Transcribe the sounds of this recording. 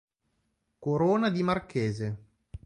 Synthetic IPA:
koɾoːnad̪imarkeːze

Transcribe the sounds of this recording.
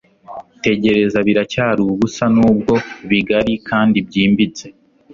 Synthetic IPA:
te̞ɟe̞ɾe̞zaβiɾacaːɾuɡusanuːb̚ɡo̞βiɡaɾikʰaːndibɟiːmbit͡se̞

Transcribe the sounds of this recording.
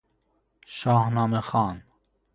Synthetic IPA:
ʃɒːhnɑːmexɑːn

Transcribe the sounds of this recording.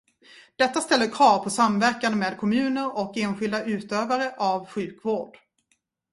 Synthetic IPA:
d̪̥ɛt̪ːast̪ɛlːəɾkʰvɑːvpʰɔsamvæɾkand̪əmeːd̪̚kʰɔmʉ̟ːnəɾɔkeːnɧɪld̪aʔʉ̟ːt̪øːvaɾəʔavɧʉ̟ːkvoːɖ̥

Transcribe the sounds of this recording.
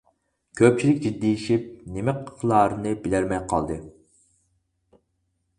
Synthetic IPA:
kʲʰøp̚t͡ʃʰilɪk̚ʲd͡ʒid̪ːiiʃip̚nemɛqʰə̥χlˠɑːɾɨnɨbɪlæɾmɛjqʰɑ̰lˠd̪ɨ

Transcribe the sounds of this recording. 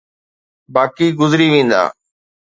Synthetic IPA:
baːkiːɡʊzɾiːʋẽːn̆d̪a̰ː

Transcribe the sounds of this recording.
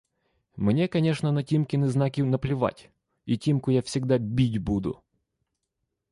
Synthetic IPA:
mnʲekɐnʲeʂnənɐtʲimkʲɪnəznakʲɪnəplʲɪʋa̰tʲ | itʲimkʊjafsʲɪɡd̪abʲitʲbud̪ʊ̰

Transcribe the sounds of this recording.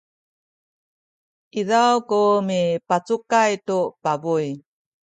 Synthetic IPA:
ʔiðawkumipat͡sukajtupabuj

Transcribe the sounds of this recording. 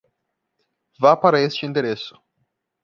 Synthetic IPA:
vapaɾɐest͡ʃɪĩnd̪eɾesʊ̥

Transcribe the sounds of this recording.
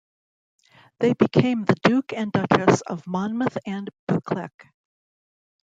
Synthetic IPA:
ðeɪbɨkʰẽɪ̃mðɨdʉkɨ̃ndʌt͡ʃɨsʌ̰vmɑnməθɨ̃nb̥ʉkʰlɛk

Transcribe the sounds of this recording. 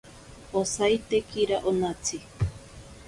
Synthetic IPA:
osajt̪ekiɾaʔonat͡sʰi

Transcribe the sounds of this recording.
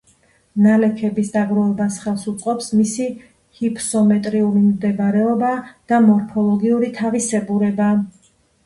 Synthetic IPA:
nalɛkʰɛbisd̪aɡɾɔvɛbasχɛlˠsut̪sʼqʼɔpsmisi | hipʰsɔmɛt̪ʼɾiulimd̪ɛbaɾɛɔbad̪̥amɔɾpʰɔlˠɔɡiuɾit̪ʰavisɛbuɾɛba

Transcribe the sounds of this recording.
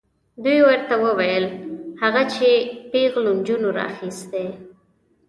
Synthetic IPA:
d̪ujwəɾt̪awəwajəlhaɣat͡ʃepeɣlond͡ʒunoɾɑ̰a̰xist̪e

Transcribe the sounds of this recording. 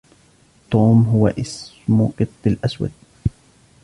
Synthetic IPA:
t̪oːmɦʊwa̰ʔɪs | mʊqɨt̪ˤːɪlʔaswa̰d̪̚

